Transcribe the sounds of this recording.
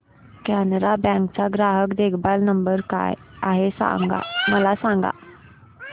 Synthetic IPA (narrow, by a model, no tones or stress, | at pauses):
kanɾabɛ̃kt͡saɡɾaɦəkd̪ekʰbalnəmbəɾka̰jaɦesa̰ŋɡa̰məlasãŋɡa̰